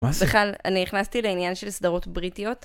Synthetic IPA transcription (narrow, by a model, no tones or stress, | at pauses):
beχlala̰niniχnast̪ileinjanʃe̞lsd̪aʁo̞tbʁitijo̞t